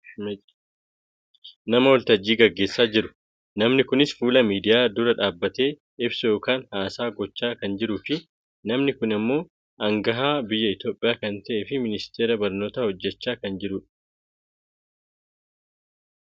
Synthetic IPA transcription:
nɐmɐwɔlt̪ɐd͡ʒːiːɡɐɡːe̞ːsːaːd͡ʒɪɾʊ̥ | nɐmnɪkʊnɪsfuːlɐmiːd̪ɪjaːd̪ʊɾɐᶑaːbːɐt̪e̞ː | ɪbsɐjo̞ːkaːnhaːsaːɡɔt͡ʃːaːkɐnd͡ʒɪɾuːfɪ | nɐmnɪkʊnɪmːo̞ː | ʔɐŋɡɐɦaːbɪjːɐɪt̪jo̞ːpʼːɪjaːkɐnt̪ɐʔeːfɪmɪnɪst̪eːɾɐbɐɾno̞ːt̪ahɔd͡ʒːɛt͡ʃːaːkɐnd͡ʒɪɾʊᶑ

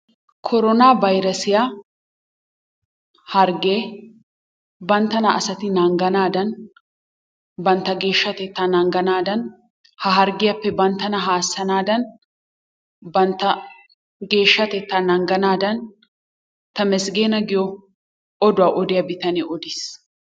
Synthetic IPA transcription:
kʰɔɾɔnaːbɐjɾɐsɪja | hɐɾɡeː | bɐnt̪ːɐnɐɐsɐt̪ɪnɐŋɡɐnaːd̪ɐn | bɐnt̪ːɐɡe̞ːʃːɐt̪ɛt̪ːaːnɐŋɡɐnaːd̪ɐn | hɐɦɐɾɡɪjɐpːɛbɐnt̪ːɐnɐɦaːsːɐnaːd̪ɐn | bɐnt̪ːɐ | ɡe̞ːʃːɐt̪ɛt̪ːaːnɐŋɡɐnaːd̪ɐn | t̪ɐmɛsɡeːnɐɡɪjɔ | ɔd̪ʊwaːʔɔd̪ɪjɐbɪt̪ɐneʔɔd̪ɪs

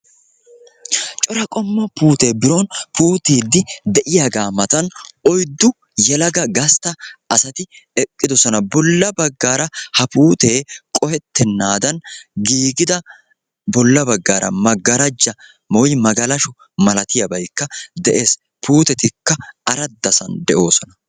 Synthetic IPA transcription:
t͡ʃʼɔɾɐkʼɔmːɐpuːt̪e̞ːbɪɾoːnpuːt̪iːd̪ːɪd̪ɛʔɪjaːɡaːmɐt̪ɐnɔjd̪ːʊ | jɛlɐɡɐɡɐst̪ɐʔɐsɐt̪ɪɛkʼːɪd̪ɔsɔnɐbɔlːɐbɐɡːaːɾɐhɐpuːt̪eːkʼɔhɛt̪ːɛnːaːd̪ɐnɡiːɡɪd̪ɐ | bɔlːɐbɐɡːaːɾʔɐ̰mɐɡɐɾɐd͡ʒːɐ | mɔjmɐɡɐlɐʃʊ | mɐlɐt̪ɪjɐbɐjkːɐd̪ɛʔe̞ːs | puːt̪ɛt̪ɪkːɐɐɾɐd̪ːɐsɐ̰nd̪ɛʔo̞ːsɔnɐ

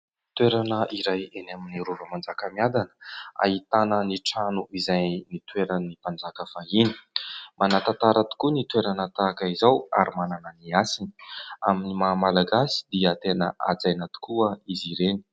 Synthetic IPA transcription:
t̪weɾanəʔiɾajenaminiɾuvəmand͡zakəmiad̪anə̥a̰ɦit̪anəniʈ͡ʂanuizajnit̪weɾanipand͡zakəfaini̥manat̪at̪aɾat̪u̥kunit̪weɾanət̪akəizawa̰ɾimananəniasini̥aminimamalaɡasi̥d̪iət̪enəʔa̰d͡zajnat̪u̥kuəiziɾeni̥

